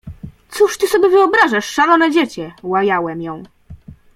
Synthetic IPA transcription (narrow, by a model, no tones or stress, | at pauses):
t̪suʂt̪ɘsɔbʲjɛvɘɔbɾaʐaʂːalɔnɛd͡ʑet͡ɕɛwajawɛmjɔ̃w̃